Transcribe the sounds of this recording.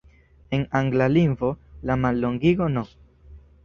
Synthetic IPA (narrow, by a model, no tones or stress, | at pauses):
e̞naŋɡlalinvo̞lamalːo̞ŋɡiɡo̞no